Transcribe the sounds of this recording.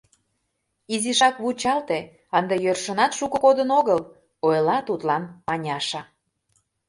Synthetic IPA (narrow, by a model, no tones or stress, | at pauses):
iziʃɑkβut͡ɕɑlt̪e | ɑnd̪ejørʃənɑt̪ʃukəkod̪ənoɣəl | ojlɑt̪ut̪lɑnmɑnʲɑʃɑ